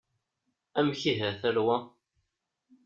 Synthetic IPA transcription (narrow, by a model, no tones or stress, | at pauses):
æmçiɦæθæɾwæ